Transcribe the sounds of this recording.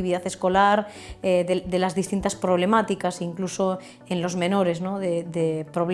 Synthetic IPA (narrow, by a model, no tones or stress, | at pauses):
iβiðaθe̞sko̞laɾ | eðed̪elazðist̪int̪aspɾo̞β̞le̞mat̪ikasiŋkluso̞ | enlo̞zmẽ̞no̞ɾe̞znoðeðepɾoβl